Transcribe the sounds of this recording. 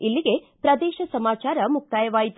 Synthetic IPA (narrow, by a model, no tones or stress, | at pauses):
ilːiɡe̞ | pɾɐd̪ɛːʃɐsɐmaːt͡ʃaːɾɐmuk̚t̪aːjɐʋaːjit̪